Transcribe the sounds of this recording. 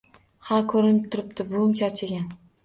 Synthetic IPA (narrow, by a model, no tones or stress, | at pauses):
hakʰɵɾɪnɪp̚t̪ʰʊɾɪp̚t̪ʰɪbʊmt͡ʃʰaɾt͡ʃʰaɡʲan